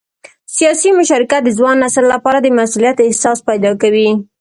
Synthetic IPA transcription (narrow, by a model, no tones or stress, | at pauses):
sijɑsimʊʃɑɾɪkat̪̚d̪əzwɑnːaslːapɑɾad̪əmasulijat̪ɪhsɑspajd̪ɑkawi